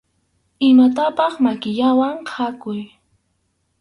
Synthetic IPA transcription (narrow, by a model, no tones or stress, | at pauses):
ɪmat̪apɑχmakɪʎawaŋqʰakʊj